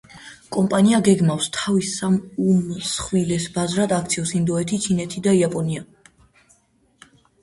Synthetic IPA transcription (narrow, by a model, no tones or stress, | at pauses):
kʼɔmpʼaniaɡɛɡmafst̪ʰavisamumsχwilɛsbazɾad̪akʰt̪sʰiɔsind̪ɔɛt̪ʰit͡ʃʰinɛt̪ʰid̪aiapʼɔnia